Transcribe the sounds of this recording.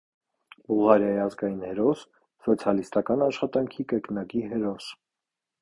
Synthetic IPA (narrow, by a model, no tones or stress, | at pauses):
buʁɑɾjɑjiɑzɡɑjinhɛɾɔsː | ɔt͡sʰjɑlist̪ɑkɑnɑʃχɑt̪ɑŋkʰikəknɑkiɦɛɾɔs